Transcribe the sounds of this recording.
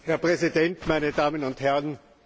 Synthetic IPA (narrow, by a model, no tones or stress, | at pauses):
hɛɐpʁɛzidɛntmaɪnədaːmənʊnthɛʁn